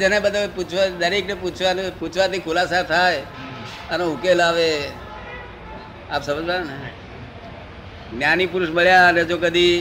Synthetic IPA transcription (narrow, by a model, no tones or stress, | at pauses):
d͡ʒənebəd̪ʱəeput͡ʃʰʋad̪əɾekneput͡ʃʰʋanput͡ʃʰʋat̪ikʰʊlasat̪ʰaj | əneʊkelaʋe | apsəməd͡ʒbane | njanipʊɾʊʃməɭjaəned͡ʒokəd̪i